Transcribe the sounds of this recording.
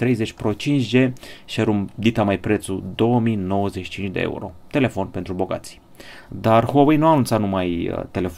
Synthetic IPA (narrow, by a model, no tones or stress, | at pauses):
t̪ɾe̞jze̞t͡ʃʲpɾot͡ʃint͡ʃʒeʃeɾumd̪it̪amajpɾet̪sud̪o̞wəmijno̞wəzeʃi̥t͡ʃint͡ʃd̪ḛḛṵɾo̞̰t̪e̞le̞fo̞npent̪ɾubo̞ɡa̰t̪si̥ | d̪arhuowejnuanunt̪sat̪numajə̰t̪e̞le̞f